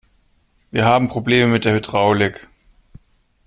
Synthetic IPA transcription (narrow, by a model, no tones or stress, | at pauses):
viːɐɦaːbm̩pʁ̥obleːməmɪt̚d̥eːɐhydʁaʊlɪk